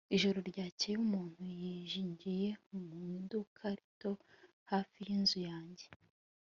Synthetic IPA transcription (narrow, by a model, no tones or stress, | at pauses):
iʒo̞ɾo̞ɾɟaːceumuːn̥hujiʒiːɲɟije̞umudukʰaɾito̞ | hafijinzujaːɲɟe̞